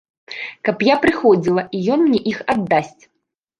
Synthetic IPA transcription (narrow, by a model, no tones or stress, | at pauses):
kɐpjapɾɨxɔd͡zʲilˠɐijɔnmnʲɛʔixad̪ːasʲt͡sʲ